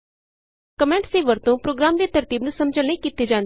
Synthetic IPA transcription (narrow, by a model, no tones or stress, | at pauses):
kəmɛ̃ɳʈseːʋəɾt̪õpɾoːɡɾaːmd̪eːt̪əɾt̪iːbnũːsɐmd͡ʒəlnẽikiːt̪ed͡ʒãːn